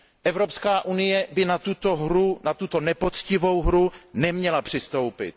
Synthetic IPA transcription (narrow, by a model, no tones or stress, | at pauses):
ʔɛvɾo̞pskaːʔunɪjɛbɪnat̪ut̪oɦɾunat̪ut̪o̞nɛpo̞t͡scɪvo̞wɦɾunɛmɲɛlapr̥ɪst̪o̞wpɪ̰t̪̚